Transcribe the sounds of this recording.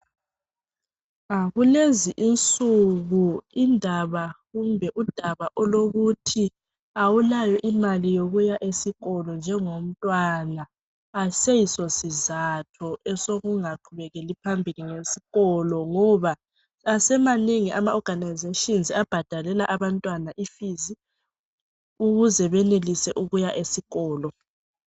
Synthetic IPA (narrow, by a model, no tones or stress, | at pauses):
aɣuleziʔint͡sʼuɣuindʱaβaɣumbʱɛʔud̥ʱaβaʔɔloɣutʰi | awulajɔʔimalijoɣujaʔesiɣɔlɔnd͡ʒʱɛŋom̩tʼwanaː | sɛjisɔsizatʰɔʔɛsoɣuŋaǃʰuβɛɣɛlipʰambʱiliŋesi̥ɣɔlɔŋɔβa | asɛmaneŋiʔamaɔɡ̥ʱanajzeʃʼɔnzab̥ʱad̥ʱalɛlaʔaβantʼwanaʔifizi | uɣuzɛβɛnelisɛʔuɣujaʔesiɣɔːlɔ